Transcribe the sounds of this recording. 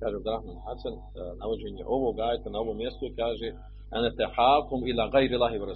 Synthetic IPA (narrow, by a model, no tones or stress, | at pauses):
kaːʒebd̪ɾahmaːnħasan | naʋod͡ʑeɲḛʔo̞ʋoɡaːjet̪anao̞ʋomːjest̪oikaːʒe | anat̪aħaːkumilaːɣajɾlˠaːɦiwaɾa